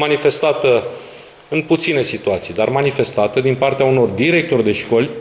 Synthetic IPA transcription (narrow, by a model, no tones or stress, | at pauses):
manife̞st̪at̪ə | ɨnput̪sine̞sit̪uat̪sijd̪armanife̞st̪at̪əd̪inpart̪eauno̞rd̪iɾe̞k̚t̪o̞rʲd̪e̞ʃko̞lʲ